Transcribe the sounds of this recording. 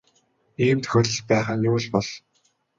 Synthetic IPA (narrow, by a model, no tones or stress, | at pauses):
iːmt̪ʰɵ̥xʲɵt̪ə̆ɮt͡ɕpæːχaːnʊwɘ̆ɮpɔɮ